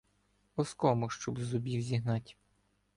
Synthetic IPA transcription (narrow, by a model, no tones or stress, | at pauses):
ɔskɔmʊʃt͡ʃɔbzʊbʲiwzʲiɦnɑtʲ